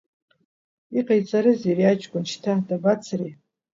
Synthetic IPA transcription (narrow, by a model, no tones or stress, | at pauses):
iqʼajt͡sʼaɾɨzeriat͡ʃʼkʷʼʊnʃtʰadabat͡sʰri